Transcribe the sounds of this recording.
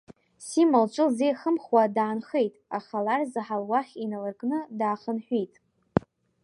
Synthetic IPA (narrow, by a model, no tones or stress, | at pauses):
simalt͡ʃʷʼɨlzejχəmχwadaːnχejtʼaχalarzaħalwaχʲinalɨrkʼnɨdaːχənħʷᶣijtʼ